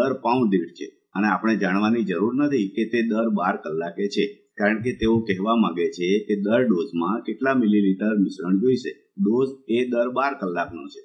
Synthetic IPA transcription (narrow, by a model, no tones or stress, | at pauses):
əɾpãũd̪eʈt͡ʃʰḛ | əneapəɳ̃ed͡ʒaɽ̃ʋanid͡ʒəɾuɾnət̪ʰiket̪ed̪əɾbaɾkəlːaket͡ʃʰe | kaɾəɳk̬et̪eokɛɦʋamaɡet͡ʃʰeked̪əɾɖozmãkeʈlamililiʈəɾmɪʃɾəɳd͡ʒoiʃe | ɖozed̪əɾbaɾkəlːaknõt͡ʃʰe̥